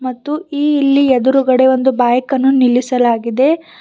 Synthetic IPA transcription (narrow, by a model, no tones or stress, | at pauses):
mɐt̪ːuiːlːiɛd̪uɾuɡɐɽe̞ʋo̞nd̪ubaːjɐkɐnːunilːisɐlaːɡid̪e̞